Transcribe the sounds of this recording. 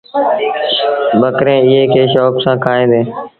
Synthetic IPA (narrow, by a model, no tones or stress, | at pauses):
bəkɾẽːɪɦeːkʰeːʃɔːksãːkʰaːẽːd̪eː